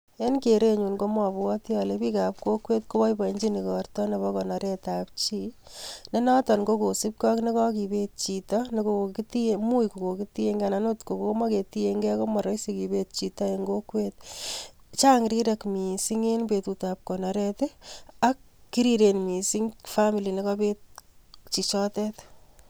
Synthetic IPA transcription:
e˦nkeɾe˦ɲu˨nko˦mɔ˨bwɔ˦tjɔ˨lepi˦ka˨p̚ko˦kwe˦tko˦bɔ˦ibaɲd͡ʒi˦ni˨kɔrtɔ˦ne˨βɔ˦kɔ˨na˨ɾeta˨p̚t͡ʃine˦na˦tɔ˨nko˦ko˨si˦p̚kɔ˦kne˦kɔ˦ki˨be˦t̚t͡ʃi˨tɔneko˨ko˨kitiemu˦jko˨ko˨ki˦tie˦ŋɡa˨nano˦tko˨ko˨ko˦ma˦ke˨tie˧ŋɡɛ˦ko˦mɔ˨ɾɔ˦jseki˨be˦t̚t͡ʃi˨tɔ˦eŋɡokwet̚ | t͡ʃa˦ŋɾiɾekmi˨siŋenpetutap̚kɔ˨nɔ˨ɾɛte˦akː | i˦ɾiɾenmi˨siŋfami˨li˨nekɔpet̚t͡ʃi˨t͡ʃɔtɛ˦t

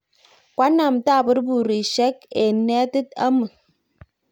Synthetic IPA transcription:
kwa˨˦na˨mta˦˨bɨ˦ɾbu˨ɾi˨ʃɛ˦ke˨nɛ˦tɨ˦t̚a̰˦mɨ˨

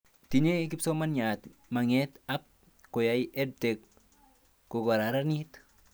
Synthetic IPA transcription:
ti˨ɲe˦kɪ˦pso˦ma˦nɲa˨tma˨ŋɛ˦ta˦p̚ | ko˨ja˦jʔɛ˦d̚te˨kː | o˨ɡɔ˨ɾa˨ɾa˦nit

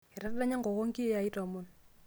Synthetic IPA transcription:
ɛ˨ɾa˦da˦ɲa˦ŋɡo˨ko˦ŋki˦a˨i˦tɔ˨mʊ˦˨n

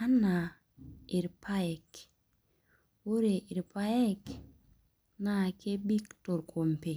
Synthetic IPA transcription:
a˦na˨ | i˨ɾpʰa˦ɛ˨k | wo˦ɾe˨ʔi˨ɾpa˦ɛ˦k | na˦˨ke˦bi˦kto˨ɾkʰo˨mpe˨

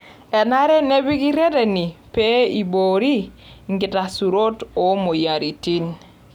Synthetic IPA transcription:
ɛ˨na˦ɾɛ˦ne˦bi˦ki˦ɾe˦dɛ˨ni˨pe˦i˨bo˨ɾi˦ | ŋɡɪ˨ta˨su˨ɾo˦to˨˦mo˨ja˨ɾi˨ti˦n

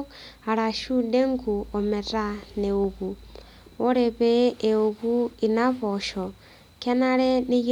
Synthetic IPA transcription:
a˨ɾa˨ʃu˦de˦ŋ˦ku˨o˨me˨ɾa˨ne˨o˨ɣu˨ | o˦ɾe˨βeː˦˨o˨ɣu˦i˨na˦βo˨ʃɔ˨ | ka˦na˦ɾe˦ni˦j

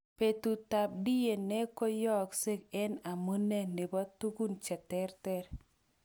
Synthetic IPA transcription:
pe˨tu˨ta˨p̚di˦je˨ne˦ko˦jɔ˦kse˦kɛ˦na˨mu˦ne˦ne˨bɔ˦t̪u˦ɡu˦nt͡ʃɛ˨tɛ˦ɾtɛ˦ɾ

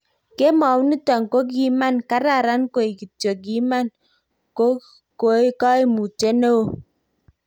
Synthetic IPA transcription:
ke˦mɔ˨wni˦tɔ˨ŋ˨ko˦ɡi˦ma˦nka˦ɾa˦˨ɾa˦nko˨i˨ki˨tjo˨ɡi˨˦ma˦n | ko˦ | ko˨˦e˦kɔ˦e˦mu˨te˦no˦o˨

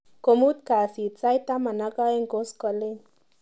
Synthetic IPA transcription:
ko˨mu˦t̪̚ka˨si˨t͡sa˦jt̪a˦ma˨na˦ka˦e˦ŋko˦skɔ˧le˦n

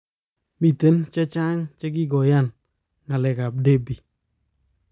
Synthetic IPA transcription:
mi˨te˨˦nt͡ʃe˦t͡ʃa˦ŋt͡ʃe˦k̬i˦ɡɔ˨ja˦˨n | ŋa˨lɛ˨ka˨b̚de˦bi˨

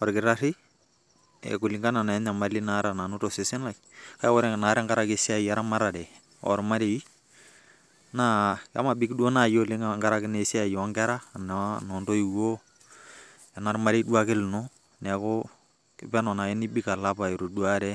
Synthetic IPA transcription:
ɔ˨ɾkɪ˨ɾa˦ɾɪ˦ | ɛ̰˨ku˨lɪ˨ŋɡa˦na˨na˨˦ɲa˨ma˨li˦na˦ɾa˨na˨nu˦to˨sɪ˨˦sɪ˦na˨kka˦wɔ˦ɾɛ˦˨na˨ɾɛ˦ŋɡa˦ɾa˦ke˦si˦a˦˨ja˦ɾa˦ma˦ɾa˨dɛ˨ | ɔ̰˨ɾma˦ɾe˨i˦ | na˦ja̰˦ma˨bi˦kdu˦o˦na˦˨jo˦lɪ˦ŋaŋɡa˦ɾa˦kɪ˦ne˨si˦a˦˨jɔ˨a˨˦ŋɡɛ˦ɾa˦˨n˨˦nɔ˨ndo˦i˨wo˦ | a˨na˨ɾma˦ɾe˦du˦a˦ke˦lno˦ | nɛ˨ko˦ | ɪ̰˨pɛ˦nɔ˨na˨jɛ˦ni˦bi˦ka˨la˦pa˨i˨ɾo˨du˦a˦ɾɛ˦

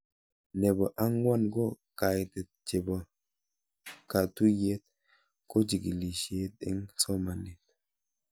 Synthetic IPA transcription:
ne˨bɔ˨ʔa˦ŋwa˦nɡo˦ | ka˨jti˨ | t͡ʃe˨bɔ˨ | ka˨tu˦je˦t̪̚ | ko˦d͡ʒi˨ɡi˨li˨ʃe˨˦t̪ḭ˦ŋso˦ma˨ne˨t̪̚

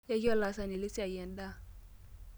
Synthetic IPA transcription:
ja˦ki˦ɔ˦la˨sa˨ni˨lɪ˦si˦a˨jɛ˨n˦da˦

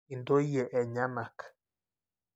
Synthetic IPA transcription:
i˨nd̪o˦ije˨ʔe˨ɲa˦ma˨k

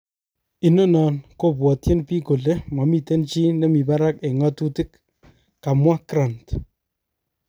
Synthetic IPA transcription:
i˨no˦nɔ˨nko˦p̬wɔ˨tje˦npi˦ko˨le˦mwa˨mi˨te˦nt͡ʃi˦ne˦mi˨ba˦ɾa˦ke˨ŋɔ˦tu˦tɪ˦k | ka˨mwa˦kɾa˨nt

